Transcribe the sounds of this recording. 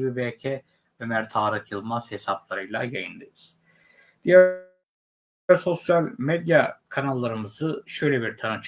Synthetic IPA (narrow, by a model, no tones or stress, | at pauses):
bibɛːcʰɛ | ømæɾt̪ʰaːɾɯkjɯlˠmaz̥hesaplˠaɾɯjlˠajajɯnd̪ɯjɯz̥ | d̪̥ijæ | ɾso̞sjalʲmed̪jakʰanalˠːaɾɯmɯzɯʃø̞jlʲebiɾt̪ʰanɯt͡ʃʰ